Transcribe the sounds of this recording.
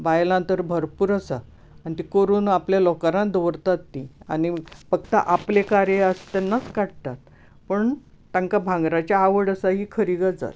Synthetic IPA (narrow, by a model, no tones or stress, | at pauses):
ʋajlãnt̪əɾbʱəɾpuːɾəsaː | nit̪ikoɾuːnapljalɔkaɾãd̪əʋɾt̪at̪ːia̰nifək̚t̪a̰ʔaplekaɾjeəst̪anːat͡skaɽt̪at̪ | pəɳ | t̪ãŋkabʱãŋɡɾat͡ɕjaːʋəɽəsaɦiːkʰəɾiɡəd͡za̰t̪